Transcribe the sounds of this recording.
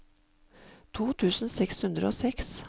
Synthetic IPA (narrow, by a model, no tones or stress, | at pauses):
t̪ʰuːt̪ʰʉːsn̩sɛkshʉnd̪ɾə̰oːsɛks